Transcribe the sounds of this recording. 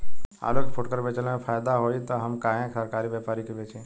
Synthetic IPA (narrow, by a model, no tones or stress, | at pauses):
a̰ːlokepʰoʈkəɾbet͡ʃəlmẽpʰaːjd̪aɦoit̪ɔɦəmkãːẽksəɾkaːɾiʋjepaːɾikiʋet͡ʃʰe